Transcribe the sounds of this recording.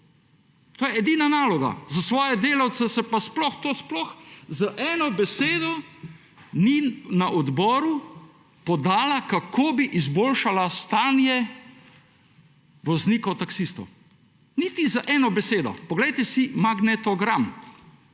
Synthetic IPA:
t̪oːjɛɛd̪iːnanaːlɔɡa̰zasʋɔːjɛd̪eːlawt̪sɛsɛpasplɔxt̪oːsplɔxzaʔɛːnɔbɛseːd̪ɔ | ninaʔɔd̪bɔːɾu | pɔd̪aːlakakʰoːbiʔizboːlʃalast̪aːnjɛ | ʋɔzniːkɔwt̪aksist̪ɔ̰w | nit̪izaʔɛːnɔbɛseːd̪ɔ̰pɔɡlɛjt̪ɛsimaɡnɛt̪ɔɡɾam

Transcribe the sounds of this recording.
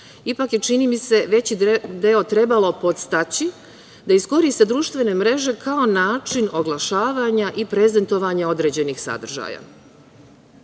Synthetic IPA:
ipakje̞t͡ʃinimise̞ʋe̞t͡ɕid̪eo̞t̪ɾe̞balo̞po̞t̪st̪at͡ɕi | d̪aisko̞ɾist̪ed̪ɾuːʃt̪ʋe̞ne̞mɾe̞ʒe̞kʰao̞naːt͡ʃino̞ɡlˠaʃaːʋaɲaʔipɾe̞ze̞nt̪o̞ʋaɲao̞d̪ɾe̞d͡ʑe̞nixsa̰d̪r̩ʒa̰ːja̰

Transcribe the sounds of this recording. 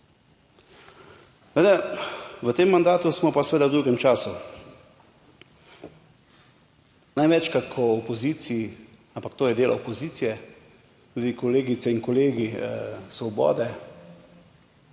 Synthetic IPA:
ed̪ɛʋət̪emːand̪aːt̪usmɔpasɛʋeːd̪awd̪uɡɛmt͡ʃaːsu | najʋɛt͡ʃkat̪kʰɔɔpɔziːt̪sii | ampakt̪oːjɛd̪eːlɔ̰ɔpɔziːt̪sijɛ | t̪uːd̪ikɔleːɡisɛinkɔleːɡisʋɔbɔ̰ːd̪ɛ

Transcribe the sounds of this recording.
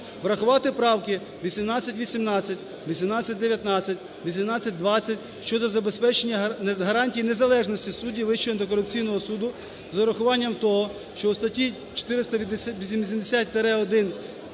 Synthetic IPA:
ʋɾɐxʊʋɑt̪ɪpɾɑwkɪ | ʋʲisʲimnɑt͡sʲːɐtʲʋʲisʲimnɑt͡sʲːɐtʲ | ʋʲisʲimnɑt͡sʲːɐt̚ʲd̪eʋjɐt̪nɑt͡sʲːɐtʲ | ʋʲisʲimnɑt͡sʲːɐt̚ʲd̪ʋɑt͡sʲːɐtʲ | ʃt͡ʃɔd̪ɔzɐbespɛt͡ʃenʲːɐɦɐɾɑnʲtʲijne̞zɐlˠɛʒnɔsʲtʲisudʲiʋɪʃt͡ʃɔɔnt̪ɪkɔɾʊp̚t͡sʲijnɔɦɔsud̪ʊ | zɐɾɐxʊʋɑnʲːɐmt̪ɔɦɔ | ʃt͡ʃɔust̪ɐtʲi | t͡ʃɔ̥t̪ɪɾɪst̪ɐʋʲisʲims̬ʲimd̪esʲat̚ʲt̪eɾɛɔd̪ɪn

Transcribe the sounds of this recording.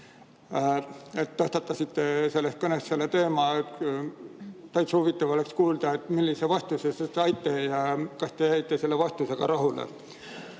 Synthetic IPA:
et̪ːɤst̪ɑt̪ːˑɑsit̪ːe̞se̞lːest̪̚kɤnest̪se̞lːe̞t̪e̞ːmɑe | t̪ɑjt̪shuvit̪ːˑɑvo̞le̞kskuːld̪̥ɑet̪ːˑmilːise̞vɑst̪usesesɑjt̪ːˑe̞jɑkɑst̪e̞jæjt̪ːe̞se̞lːevɑst̪useɡ̥ɑ̰ɾɑɦulḛ

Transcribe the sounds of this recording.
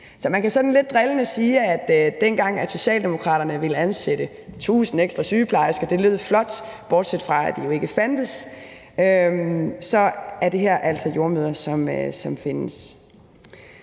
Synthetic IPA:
sɒ̽mænkʰæsɒ̽d̥n̩le̝d̥̚ːʁɛlənəsiːæd̥d̥enɡ̥ɑ̈ŋ̰æso̝ɕɛ̰ːld̥e̝mo̝kʰʁɑ̈ːɾ̥ɐnəʋe̝lænsed̥ə | t͡sʰṵːsn̩eɡ̥sd̥ʁɑsyːpʰlɑ̈ɪsɡ̥ɒd̥e̝løð̰ˠflɒ̽d̥b̥ɒːd̥sed̥fʁɑ̈æ̰d̥ijo̝e̝ɡ̥əfæn̰d̥əs | ʔømsɒ̽æɐd̥e̝ɦæɐ̰ʔæl̰sɒjo̝ɐmøðˠɐsɒ̽møsɒ̽mfe̝nəs

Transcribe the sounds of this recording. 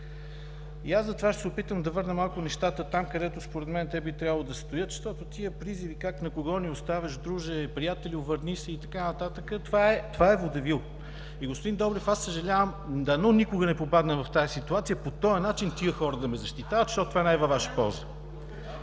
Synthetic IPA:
ḭazzɐt̪ovaʃt̪ɛsɛopit̪əmd̪ɐvɤɾnəmalˠkʊnɛʃt̪at̪ət̪amkɐd̪ɛt̪ʊspoɾɛd̪mɛnt̪ɛbit̪ɾʲjabəlˠod̪ɐst̪ojɤt̪ʃʃt̪ɔt̪ʊt̪iəpɾizivikaknɐkoɡɔniost̪avʲəʃd̪ɾuʒɛpɾijat̪ɛlʲiʊvəɾnisɛit̪ɐkanɐt̪at̪əkət̪vaɛt̪ovaɛvod̪ɐvilˠ | iɡospʊd̪ind̪ɔbɾɛfasəʒɐlʲavəmd̪ɐnɔnikʊɡənɛpopad̪nəvɐft̪aəsit̪uat̪sʲijəpot̪ɔjɐnat͡ʃint̪iəxɔɾəd̪ɐmɛzɐʃt̪it̪avət̪ʃt̪ɔt̪t̪vaɛnajvɐvaʃə̥pɔ̰lˠzə

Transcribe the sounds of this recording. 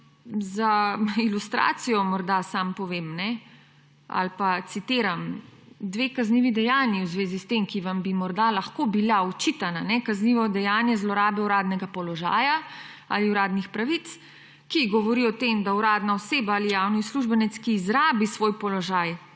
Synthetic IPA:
zailust̪ɾa̰ːt̪sijɔmɔɾd̪asampɔʋemnɛ | a̰lpat̪sit̪eːɾamd̪ʋeːkazniːʋid̪ɛjaːnjiwzʋeːzist̪emkiʋambimɔɾd̪alaxkobilaut͡ʃit̪ananɛkazniːʋɔd̪ɛjaːnjɛzlɔɾaːbɛuɾaːd̪nɛɡapɔlɔʒa̰ːjaa̰liuɾaːd̪nixpɾaʋit̪s | kiɡɔʋɔɾiɔt̪emd̪auɾaːd̪naɔseːbaaːlijawnisluʒbɛnɛt̪skiːzɾaːbisʋoːjpɔlɔʒaːj

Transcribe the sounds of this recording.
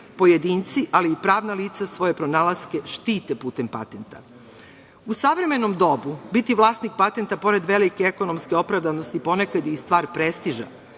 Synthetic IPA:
po̞jed̪iːnt̪siʔaliːpɾaːʋnaliːt̪sasʋo̞je̞pɾo̞naːlˠaske̞ʃt̪iːt̪epuːt̪e̞mpa̰t̪e̞nt̪a̰ | usaʋɾe̞me̞no̞md̪o̞bubit̪iʋlˠaːsnik̚pat̪e̞nt̪apo̞ɾe̞d̪ʋelikeeko̞no̞mskeo̞pɾaʋd̪aʋnost̪ipo̞nekad̪ist̪ʋaːɾpɾest̪iʒa̰

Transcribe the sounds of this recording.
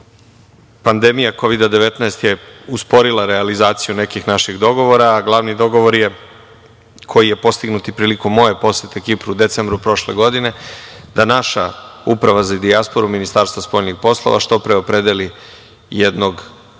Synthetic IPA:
pand̪emijako̞ʋid̪ad̪eʋe̞t̪naest̪je̞uspo̞ɾilˠaɾealizaːt̪sijune̞kixnaʃiɣd̪o̞ɡo̞ʋo̞ɾaːɡlˠaʋnid̪o̞ɡo̞ʋo̞ɾje̞ | kʰo̞jije̞po̞st̪iɡnut̪ipɾiːlikomːo̞je̞po̞sjet̪ekipɾuːd̪e̞t̪sembɾupɾo̞ʃle̞̰ɡo̞d̪ine̞d̪anaʃaupɾaʋazad̪iaspo̞ɾuminist̪aːɾst̪ʋaspo̞ːʎnixpo̞slˠo̰ʋa̰ʃt̪o̞pɾeo̞pɾe̞d̪eli | jed̪no̞ɡ

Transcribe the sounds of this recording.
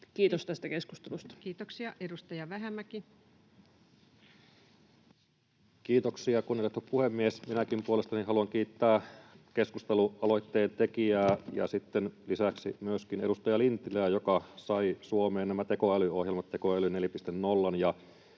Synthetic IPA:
kiːt̪ost̪æst̪ækesku̥st̪elust̪ɑ̥kiːt̪oksiɑʔedust̪ɑjɑʋæɦemːæki | kiːt̪oksiɑkunːelːet̪ːuppuhemːiesminækimpuolest̪ɑninɦɑluɑŋkiːt̪ːæːke̞skust̪eluɑlo̞it̪ːeːnt̪e̞kiæːjɑ̰sit̪ːenlisæksḭmyøskineɾust̪ɑjɑlint̪ilæːjokɑsɑisuomeːnnæmæt̪e̞ko̞ælyohjelmɑt̪ːe̞koælyne̞lipist̪ennolːɑnjɑ

